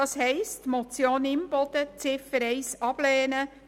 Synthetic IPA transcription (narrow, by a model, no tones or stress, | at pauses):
ɑːshɛɪstmɔt͡sjoːnɪmb̥ɔd̪̥ət͡sɪfəɾɛɪsɑb̥lɛːnə